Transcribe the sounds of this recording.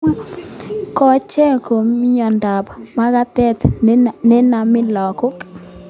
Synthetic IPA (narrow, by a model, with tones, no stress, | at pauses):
kɔ˦t͡ʃɛ˦ko˨m˦ɲɔ˨nda˨pma˦ɣa˦t̪ɛ˦t̪nɛ˦na˨mɪ˦lɔ˨ko˦k